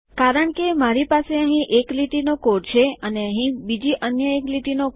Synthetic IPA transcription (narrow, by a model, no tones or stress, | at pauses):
kaɾəɳkemaɾipaseəɦĩʔekliʈinokoʈt͡ʃʰeəneəɦĩbid͡ʒiʔənjəekliʈino